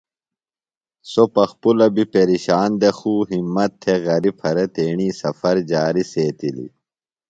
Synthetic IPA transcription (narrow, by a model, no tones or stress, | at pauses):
sopɐxpulɐbipeɾiɕaːnd̪exuːɦimːɐt̪ʰːeɣɐɾipʰɐɾet̪eːɳiːsɐfɐɾd͡ʑaːɾiseːt̪ilḭ